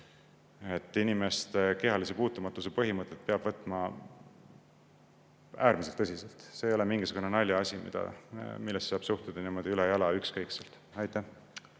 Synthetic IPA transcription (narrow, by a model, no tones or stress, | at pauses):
e̞t̪ːˑinime̞st̪eke̞ɦɑlis̬e̞puːt̪ːˑumɑt̪ːˑuse̞pɤɦimɤt̪ːˑet̪̚peɑb̥vɤt̪ːˑmɑ | æːɾmis̬elt̪ːɤsiselt̪se̞ːjo̞lemiŋɡ̥isuɡ̥unenɑlʲːɑɑsʲimḭd̪̥ɑ̰milːest̪sɑːb̥suht̪ud̪̥ɑniːmo̞d̪̥iylɛjɑlɑykskɤjkselt̪ˑ | ɑjt̪ˑːæh